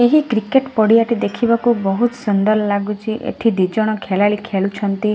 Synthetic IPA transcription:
eɦikɾikeʈpɔɽiaʈid̪ekʰibakubɔɦut̪sɔnd̪aɾɔlaɡut͡ʃʰiʔḛʈʰid̪id͡ʒɔɽ̃ɔkʰelaɭikʰeɭut͡ʃʰɔnt̪i

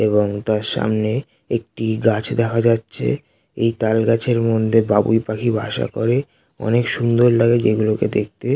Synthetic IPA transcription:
eβoŋt̪aɾʃa̰mne | ek̚ʈiɡat͡ɕʰd̪ɛkʰad͡ʑatːɕʰḛ | ejt̪alɡat͡ɕʰeɾmod̪ʱːebabṵjpakʰibʱa̰ʃa̰koɾe | ɔ̰nekʃund̪oɾlaɡed͡ʑeɡuloked̪ek̚ʰt̪e

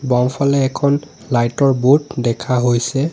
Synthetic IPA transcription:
bɔŋpʰalɛːkʰɔn | lajtɔɹbutdɛkʰaɦojsɛ

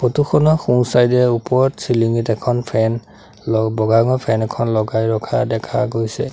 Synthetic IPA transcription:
potuxʰɔnɔxũsajdɛupɔɹtsiliŋitɛkʰɔnpʰɛn | lɔbɔɡaŋɔpʰɛnɛkʰɔnlɔɡajɹɔkʰa̰dɛkʰa̰ɡojsɛ

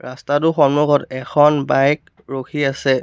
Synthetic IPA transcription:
ɹastatʊxɔmnuɡɔtɛkʰɔnbajkk̚ | ɹokʰiasɛ

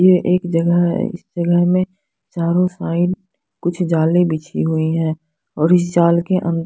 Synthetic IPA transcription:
jeʔeːkd͡ʒəɡəɦɦɛ̰ɪ̰sd͡ʒəɡəɦmẽ | t͡ʃaːɾõsaːɪɖ | kʊt͡ʃʰd͡ʒaːlebɪt͡ʃʰḭɦʊiɦɛ̃ː | ɔːɾɪs̬d͡ʒaːlkeʔə̃nd̪

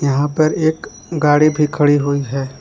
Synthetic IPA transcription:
jɐɦãpɐɾeːk | ɡaːɽibʱikʰəɭiɦoiɦɛː

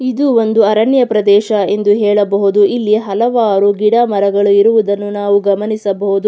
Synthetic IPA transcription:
id̪uo̞nd̪uɐɾɐɳjɐpɾɐd̪ɛːʃɐe̞nd̪uɦɛːɭɐbɐɦud̪uʔilːiɦɐlɐʋaːɾuɡiɽɐmɐɾɐɡɐɭuiɾuʋud̪ɐnːunaːʋuɡɐmɐnisɐbɐɦud̪u

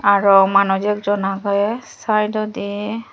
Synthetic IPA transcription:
aɹɔmanɔzɛkzɔnaɡɔɛsajdɔdi

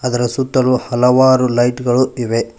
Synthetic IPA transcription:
ɐd̪ɐɾɐsut̪ːɐluhɐlɐʋaːɾulɐjʈɡɐɭuiʋe̞

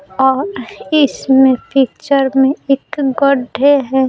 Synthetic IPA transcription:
ɔːɾɪsmẽpʰik̚t͡ʃəɾmẽɪkɡɔɖʱeɦɛ

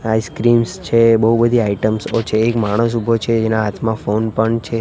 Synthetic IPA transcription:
aiskɾimst͡ʃʰebəɦubəd̪ʱiaiʈəmsot͡ʃʰeːkmaɽ̃əs̬ubʱot͡ʃʰed͡ʒenãɦat̪ʰmãfonpəɳt͡ʃʰe

